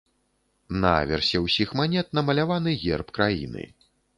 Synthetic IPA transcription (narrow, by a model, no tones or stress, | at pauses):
naa̰vʲɛrsʲɛwsʲixmanʲɛt̪̚nɐmɐlʲavanɨɣʲɛ̰rpkɾajḭnɨ̰